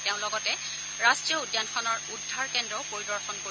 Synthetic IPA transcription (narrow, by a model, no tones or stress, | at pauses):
teʊ̃lɔɡɔtɛ | ɹastɹiɔudjanxʰɔnɔɹudʱːaɹkɛndɔpoɹidɔɹxɔnko